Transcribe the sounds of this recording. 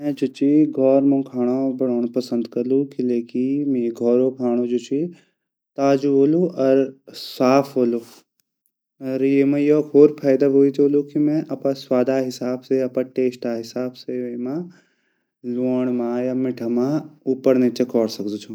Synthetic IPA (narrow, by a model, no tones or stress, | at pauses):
mɛ̃d͡ʒut͡ʃiɡʱɔːɾmũːkʰaːɽ̃abɐɽoːɳ̃pɐsə̃nd̪kɐlukileːkimĩɡʱɔːɾoːkʰaːɽ̃od͡ʒut͡ʃi | t̪aːd͡ʒuɦoːluʔɐɾsaːpʰɦoːlu | ɐɾiemãjoːkoːɾpʰaːjd̪aɦoːit̪oːlukimɛ̃ʔɐpãswaːd̪aːɦɪsaːbseɐpãːʈeːsʈaːɦɪsaːbseʋmãː | luːəɳ̃mãjaːmɪʈʰəmãːupəɾnet͡ʃɐkɔːɽsɐkd̪ut͡ʃʰũ